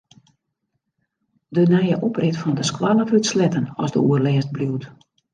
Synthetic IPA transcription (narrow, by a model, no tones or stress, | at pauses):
dənɛjəʔoprɪtfɔndəskwalˠəvytslɛtənɔ̰zdə̰uərlɛːst̚bluwt